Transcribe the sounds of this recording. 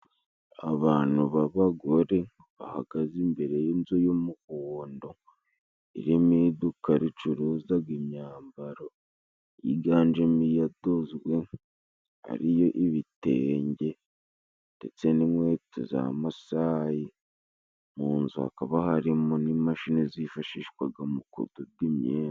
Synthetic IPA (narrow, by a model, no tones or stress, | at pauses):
a̰βaːn̥uβaβaɡoɾe̞ | βa̰ha̰ɡ̥azimbe̞ɾe̞jenzojomukoːndo | ḭɾimid̪ukaɾit͡ʃuɾuzaɡimɲaːmbaɾo | jḭɡaːnd͡ʒemijadozwe̞ | a̰ɾijoʔiβitḛːɲɟe̞ | nde̞̰t͡se̞nimwe̞ːtḛza̰masaji | muːnzua̰kaβahaɾimonimaʃinezifaʃiːʃwaɡamukṵdub̚ɡimɲḛː